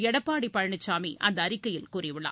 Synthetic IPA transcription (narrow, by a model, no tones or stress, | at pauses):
ɛɽɐpːaːɽipːɐɻɐɳɯt͡ʃːaːmiʔʔɐnd̪ɐːrɪkːɐjɪlkuːrɪʋɪɭa̰ː